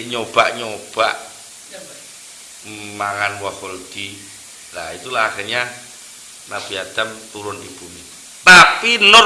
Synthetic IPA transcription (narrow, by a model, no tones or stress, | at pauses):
ɲob̥aʔɲob̥aʔ | maŋanwahold̪̥i | lait̪ulahaχɪrɲa | nab̥iad̪̥amt̪uɾʊndib̥umi | t̪apinʊ